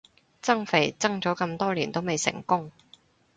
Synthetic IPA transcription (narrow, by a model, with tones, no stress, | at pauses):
t͡sɐ˥ŋfe˨˩jt͡sɐ˥ŋt͡sɔː˨˥kɐ˧mt̪ɔː˥liː˨˩nt̪o˥wme˨jsɪ̰˨˩ŋkʊ˥ŋ